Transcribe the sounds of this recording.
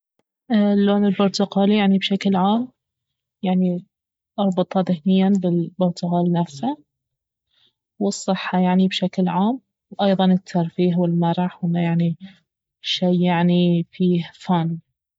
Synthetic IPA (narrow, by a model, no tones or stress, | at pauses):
ʔlːoːnɪlbʊɾt̪ʊqɑːljaʕnibʃaklʕaːm | jaʕni | ʔɑɾˤbɨt̪ˤɑðɪhnɪjːanbɪlbʊɾt̪ʊqɑːlinafsha | wɨsˤːɨħːɑjaʕnibʃaklʕaːm | wʔɑjðˤɑnɪt̪ʰːɑɾˤfiːɦwɪlmɑɾˤɑħwʔɪnːajaʕni | ʃeːjaʕnifiːhfaːn